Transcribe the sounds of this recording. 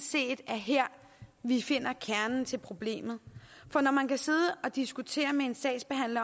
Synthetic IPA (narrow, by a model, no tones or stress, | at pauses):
se̝̰ːd̥æɐɦeɐ̰ | ʋife̝n̰ɐkʰæɐnn̩t͡sʰe̝lpʰʁo̝b̥le̝̰ːmð̞̩ˠfɒ̽nɒmænkʰæse̝ð̞ˠəʔɒ̽d̥isɡ̥ut͡sʰe̝̰ːɐmee̝nsɛ̰̥ːsb̥e̝ɦæn̰lɐ